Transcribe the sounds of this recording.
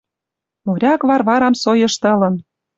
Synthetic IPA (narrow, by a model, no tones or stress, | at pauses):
moɾʲɑkβɑrβɑɾɑmsojɤ̆ʃt̪ɤ̆lɤ̆n